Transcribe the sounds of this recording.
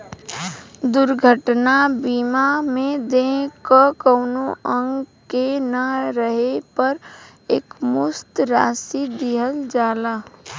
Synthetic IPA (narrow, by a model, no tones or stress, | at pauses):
d̪ʊɾɡʱəʈnabiːmamẽd̪ẽkəkəʊnoə̃ŋɡ | kenaɾəɦepəɾ | eːkmʊst̪ɾaːsid̪iɦəld͡ʒaːlaː